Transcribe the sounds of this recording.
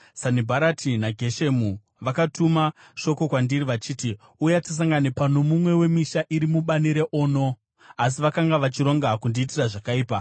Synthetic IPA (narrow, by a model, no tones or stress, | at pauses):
sanibʱaɾatʰinaɡʱe̞ʃemu | ʋakatuma | ʃo̞ko̞kwandiriʋat͡ʃiːti | ujatis̬aŋɡanepano̞mumwe̞we̞miʃaʔiɾimuɓaniɾeʔoːno̞ | as̬iʋakaŋɡaʋat͡ʃiɾo̞ŋɡakundiːtiraʐakaiːpa